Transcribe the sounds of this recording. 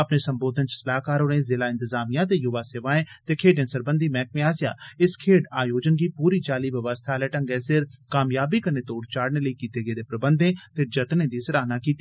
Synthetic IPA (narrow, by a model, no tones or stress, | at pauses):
əpneːsəmboːd̪ʱənt͡ʃə̥səlaːkaːɾoːnẽːzɪlaːɪ̃nt̪əzaːmijãːt̪eːjʊʋaːseːʋaːẽːt̪eːkʰeːɖẽːsəɾbənd̪ʱiːmɛ̃ːk̚mẽaːsja̰ːɪskʰeːɖaːjoːd͡ʒənkiːpuːɾiːt͡ʃaːliːʋəʋəst̪ʰaːlɛːʈəŋɡɛːsɪɾkaːmjaːbiːkəɾneːt̪oːɽt͡ʃaːɽneːləikiːt̪eːɡeːd̪eːpɾəbə̃nd̪ʱẽːt̪eːd͡ʒət̪nẽːd̪iːsəɾaːnaːkiːt̪i